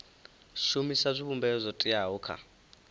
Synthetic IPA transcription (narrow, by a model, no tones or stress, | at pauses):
ʃumisazʷiβumbɛzʷɔtʼiaɦuːkʰa̰